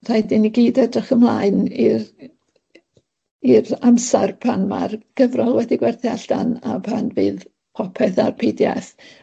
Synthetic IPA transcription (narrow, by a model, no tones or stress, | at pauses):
r̥ajdɪniɡeɨdɛdəχəmlˠaɨni | iramsarpʰanma̰rɡ̥əvrɔlˠwɛdiɡwɛrθjaɬd̥ana̰pʰanvɨːð | pʰɔpʰɛθarpʰejdja̰θ